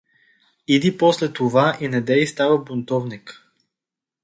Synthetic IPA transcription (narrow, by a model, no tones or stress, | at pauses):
id̪ipɔslɛt̪ovaʔinɛd̪ɛist̪avəbʊnt̪ɔvnik